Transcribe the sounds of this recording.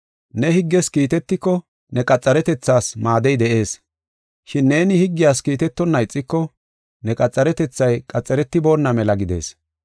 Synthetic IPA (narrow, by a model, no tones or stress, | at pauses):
nɛhɪɡːɛskiːt̪ɛt̪ːɪkːɔ | nɛkʼɐt͡sʼːɐɾɛt̪ɛt͡sːaːsmaːd̪ɛjd̪ɛʔe̞ːs | ʃɪnːe̞ːnɪhɪɡːɪjaːskiːt̪ɛt̪ːɔnːɐɪt͡sʼːɪkːɔ | nɛkʼɐt͡sʼːɐɾɛt̪ɛt͡sːɐjkʼɐt͡sʼːɐɾɛt̪ːɪbo̞ːnːɐmɛlɐɡɪd̪e̞̰ːs